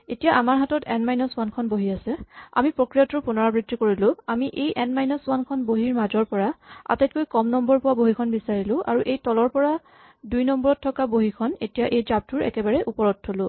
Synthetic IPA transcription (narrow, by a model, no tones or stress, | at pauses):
etijaʔamaɹɦatɔtɛnmajnɔswankʰɔnboɦiasɛa̰mipɹokɹijɔtuɹpunɔɹabɹitːikoɹilʊ̃amiʔejʔɛnmajnɔswankʰɔnboɦiɹmazɔɹpɔɹaa̰tajt̚kojkɔmnɔmbɔɹpʊwaboɦikʰɔnbisaɹilʊ̃ʔa̰ɹuʔejtɔlɔɹpɔɹa | dujnɔmbɔɹɔtʰːɔkaboɦikʰɔnetijaʔejzap̚tuɹɛ̰kɛbaɹɛʔupɔɹɔtʰːolʊ̃